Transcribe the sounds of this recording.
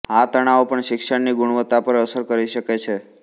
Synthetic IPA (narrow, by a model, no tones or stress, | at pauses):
at̪əɽ̃aopəɳʃɪkʃəɳniɡʊɽ̃ʋət̪ːapəɾəsəɾkəɾiʃəket͡ʃʰe